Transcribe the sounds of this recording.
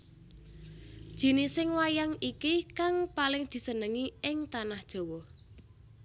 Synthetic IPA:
d̥ʒ̥i̤nɪsɪŋwajaŋikikaŋpalɪŋd̪̥i̤sənəŋiɪŋt̪anahd̥ʒ̥o̤wɔh

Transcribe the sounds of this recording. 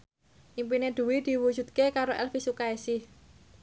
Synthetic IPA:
ʔimpined̪̥ṳwid̪̥i̤wud͡ʒ̥ṳt̪̚kekaɾoʔɛlfisukaesɪh

